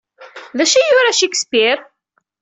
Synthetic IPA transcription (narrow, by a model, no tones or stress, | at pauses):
ðæʃijʊɾaʃikə̥spiɾ